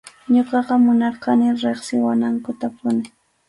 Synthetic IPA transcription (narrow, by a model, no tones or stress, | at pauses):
ɲoqɑqɑmʊnɑɾqɑnɪɾeχsɪwanaŋkʊt̪apʊnɪ